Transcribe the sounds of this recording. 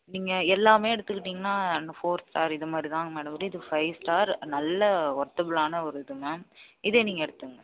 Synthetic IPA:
niːŋɡɐɛlːaːmeːɛɽɯt̪ːɯkːɪʈːiːŋɡɐnaːɐnɐfoːɾsʈaːɾɪðɐmaːd̪ɾit̪ãːŋɡɐmaːɽɐmɯɾɯɪðɯfɐɪsʈaːɾnɐlːɐʋɐɾt̪ɐbɯlaːnɐɔɾɯðɯmɐɪðeːniːŋɡɐɛɽɯt̪ːɯŋɡɐ

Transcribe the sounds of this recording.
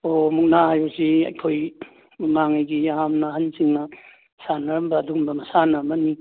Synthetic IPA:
omuk̚nahajosiɐ̰jkʰoj | muŋmaŋajɡiɦamnɐhansiŋnɐ | sanɐɾɐmbɐːduɡmbɐmɐsanamɐni

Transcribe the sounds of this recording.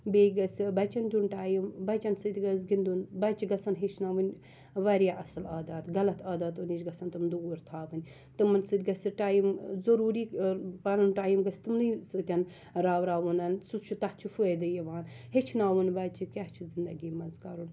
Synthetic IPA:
beːɡɐsʲbɐt͡ʃɐnd̪unʈaːjimbɐt͡ʃɐnsɨt̪ʲɡɐs̬ɡind̪unbɐt͡ʃiɡɐsɐnɦet͡ʃʰnaːʋɨnʲ | ʋɐɾjaːʔɐsɨlaːd̪aːd̪ɡɐlɐt̪ʰaːd̪aːt̪uniʃɡɐsɐnt̪ɨmd̪uuɾt̪ʰaːʋɨnʲ | t̪ɨmɐnsɨd̪ʲɡɐsɨʈaːjimzɐɾuːɾiːpɐnɐnʈaːjimɡɐst̪ɨmnɨjsɨkʲɐn | ɾaːʋɾaːʋunɐnsust͡ʃʰut̪ɐht͡ʃʰufued̪ɨjiʋaːnɦet͡ʃʰnaːʋunbɐt͡ʃʰikʲaht͡ʃʰuzind̪ɐɡiːmɐnzkɐɾun

